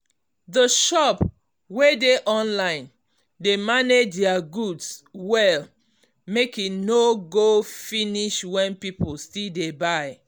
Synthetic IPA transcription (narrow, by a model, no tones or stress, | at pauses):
dəʃɔp | wedeʔɔ̃nlãɪ̃n | demaned͡ʒdiaɡudswɛl | mekinoɡofiniʃwɛ̃npipulstildebaɪ